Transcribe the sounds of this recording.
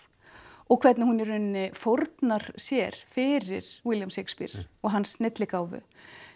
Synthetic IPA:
ɔɣkʰv̥ɛt̪nɪhunɛɾʏnːɪfoɾt̪naɾ̥sjɛɾ̥fɪɾɪɾ̥wɪljamsejkspḭɾ̥ɔɣɦansnɪt̪lɪkaːwvʏ̰

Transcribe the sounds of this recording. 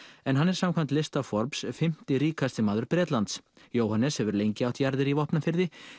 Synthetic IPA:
ɛnɦanːɛɾ̥samkʰam̥t̪lɪst̪afɔɾpsfɪm̥t̪ɪɾiːkast̪ɪmaːðʏɾpɾɛːt̪lant̪s | joːwhanːɛshɛvʏɾlejɲcɪawht̪jaɾðɪɾivɔhpnafɪɾðɪ

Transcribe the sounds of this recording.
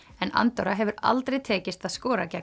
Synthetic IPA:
ɛna̰nt̪ɔɾaɦɛvʏɾa̰lt̪ɾejt̪ʰɛːcɪst̪aðskɔːɾacɛk

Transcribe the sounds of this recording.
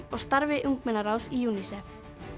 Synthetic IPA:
ɔɣst̪aɾvɪʔuŋk̚mɛnaɾawsijuːnisɛf

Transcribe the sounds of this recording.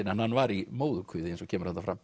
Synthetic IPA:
ɪnhanhanːvaɾimoːwðʏkʰvʏːðɪensɔcʰɛːmʏɾ̥hant̪afɾam

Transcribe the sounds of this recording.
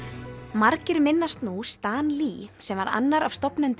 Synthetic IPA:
maɾcɪɾmɪnːast̪nust̪aːnlisɛmvaɾa̰nːaɾavst̪ɔpnʏnt̪

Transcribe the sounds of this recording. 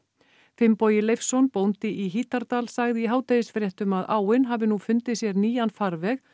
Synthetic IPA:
fɪmpɔːjɪlejfsɔnpownt̪ɪʔiɦiːt̪aɾt̪alsaɣðɪiɦaːwt̪ejɪsfɾjɛht̪ʏmaðaːwɪnɦavɪnufʏnt̪ɪ̥sjɛɾniːjanfaɾvɛx

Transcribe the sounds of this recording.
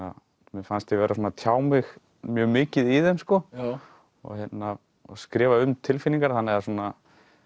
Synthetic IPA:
a | mɛfanst̪ɪvɛːɾasuːnat̪ʰjaːwmɪx | mjœːɣmɪːcɪðiðɛnskɔ | ɔ̰ɣçjɛt̪na̰ | skɾɛːvaʏmt̪ʰɪlfɪniŋkaɾ̥θanːɛðasuːna

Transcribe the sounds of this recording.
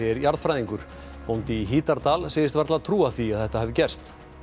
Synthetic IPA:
ɛɾjaɾðfɾajðiŋkʏɾ̥ | pownt̪ɪiɦiːt̪aɾt̪aːlseːjðɪst̪vaɾt̪lat̪ʰɾuːaθiaðθɛht̪ahɛvɪcɛr̥st̪

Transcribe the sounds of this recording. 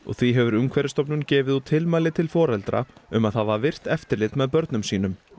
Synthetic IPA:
ɔ̰ɣθiɦɛvʏɾʏmkʰvɛɾɪst̪ɔpnʏncɛːvɪðut̪ʰɪlmaːlɪt̪ʰɪlfɔːɾɛlt̪ɾa̰ʏmaðhaðvavɪr̥t̪ɛft̪ɪɾlɪt̪mɛðpœɾt̪nʏmsiːnʏm

